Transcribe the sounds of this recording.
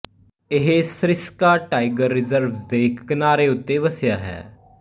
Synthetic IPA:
ɪɦeːsɾɪskaːʈaːɪɡəɾːɪzəɾʋd̪eːkʰkənaːɾeːʊt̪ːeːʋəsjaːɦɛ̰ː

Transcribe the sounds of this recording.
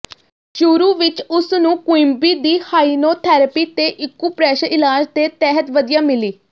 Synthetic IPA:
t͡ʃuːɾuːʋɪt͡ʃʊsnũːkʊɪmbiːd̪iːhaːiːnoːt̪ʰɛːɾəpiːt̪eːʔɪkːuːpɾɛːʃəɪlaːd͡ʒd̪eːt̪ɛːɦət̪ʋəd̪ijaːmɪliː

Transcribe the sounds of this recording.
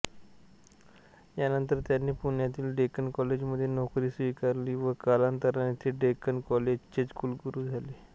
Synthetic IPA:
janənt̪əɾt̪janːiːpuɳjat̪iːlɖekənkɔled͡ʑməd̪ʱːjenɔkɾiːsʋikaɾliːʋəkalant̪əɾanet̪ʰiːɖekənkɔled͡ʑt͡ɕet͡skuːlɡuɾuːd͡zʱaliː

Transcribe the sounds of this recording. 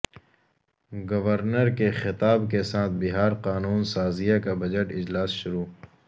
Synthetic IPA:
ɡɐʋəɾnəɾkexɪt̪aːbkesaːt̪̚ʰbɪɦaːɾqaːnuːnsaːzijakabɐd͡ʒəʈɪd͡ʒlaːsʃʊɾuː

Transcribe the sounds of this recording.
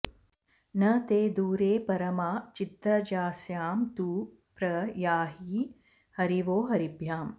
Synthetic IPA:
nɐt̪eːd̪uːɾeːpɐɾɐmaːt͡ʃit̪ɾɐd͡ʒaːsjaːmt̪uː | pɾɐjaːɦiː | hɐɾiʋoːɦɐɾibʱjaːm

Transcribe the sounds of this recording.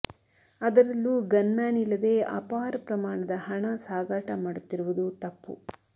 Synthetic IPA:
ɐd̪ɐɾɐlːuɡɐnmaːnilːɐd̪e̞ːɐ̰paːɾɐpɾɐmaːɳɐd̪ɐhɐɳɐsaːɡaːʈɐmaːɽut̪ːiɾuʋud̪ut̪ɐpːṵ

